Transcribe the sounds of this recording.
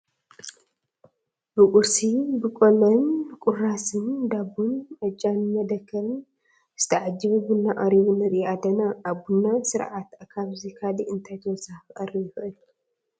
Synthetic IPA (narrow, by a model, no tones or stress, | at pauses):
bɨkʼʊɾsibɨkʼolɐnkʼʊrasɨnd̪abunʔɐt͡ʃʼːanmɐd̪ɐkʰːɐln | z̥ɨ̥t̪ʰɐʕad͡ʒːɨβuɡunːaʔʼaɾiβunɐɾiad̪ɐnaːβɡunːasɨɾʕat̪kʰaβzikʰaliʔɨnt̪ʰajt̪ʰowɔzahxʔʼɐrijɪxʔɨl